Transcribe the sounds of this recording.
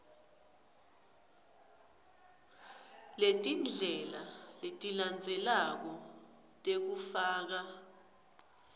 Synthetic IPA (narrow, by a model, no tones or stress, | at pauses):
letʼind͡ɮʱɛlaletʼiland͡zʱɛlak̬ɔ | tʼek̬ufaːk̬a